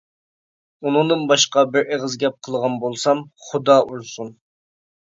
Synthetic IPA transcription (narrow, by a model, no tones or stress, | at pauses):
unɨŋd̪ɨnbɑʃqɑbɪɾeʁəzɡʲɛp̚qʰəlˠʁɑnbolˠsɑmχʊd̪ɑʔuɾsun